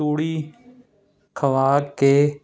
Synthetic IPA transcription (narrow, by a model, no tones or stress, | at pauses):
uːɽiː | kʰəʋaːkeː